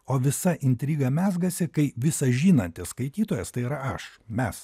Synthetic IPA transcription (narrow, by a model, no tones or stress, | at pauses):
oːʋʲɪsɐʔɪnʲt̪ʲɾʲiːɡɐmʲæːzɡɐsʲɪkɐɪʋʲɪsɐʒʲiːnɐnʲt̪ʲɪsskɐɪt̪ʲiːt̪oːjɛst̪ɐɪɪɾɐɐʃmʲɛs